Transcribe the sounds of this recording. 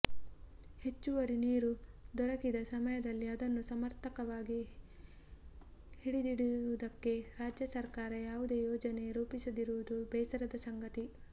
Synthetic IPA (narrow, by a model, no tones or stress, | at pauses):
he̞t͡ʃːuʋɐɾiniːɾud̪ɔɾɐkid̪ɐsɐmɐjɐd̪ɐlːiɐd̪ɐnːusɐmɐɾt̪ʰɐkɐʋaːɡi | hiɽid̪iɽuʋud̪ɐkːe̞ɾaːd͡ʒjɐsɐɾkaːɾɐjaːʋud̪e̞ːjɔːd͡ʒɐne̞ɾuːpisɐd̪iɾuʋud̪ubɛːsɐɾɐd̪ɐsɐŋɡɐt̪i